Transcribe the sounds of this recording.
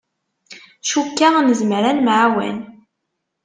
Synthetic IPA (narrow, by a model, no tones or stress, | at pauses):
ʃukːanəzmɾænmʕawæ̰n